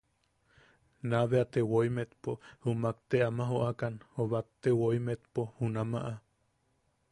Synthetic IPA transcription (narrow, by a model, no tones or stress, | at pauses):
naβeat̪ewoimet̪pohumak̚t̪eʔamaɦoʔakanhoβak̚t̪ewoimet̪pohunamaʔa